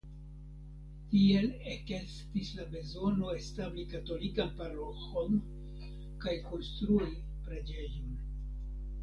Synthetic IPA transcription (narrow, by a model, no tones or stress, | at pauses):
tie̞lekestislabe̞zo̞no̞e̞stablikato̞likanpaɾo̞xo̞n | kajko̞nst̪ɾui | pɾe̞d͡ʒe̞jon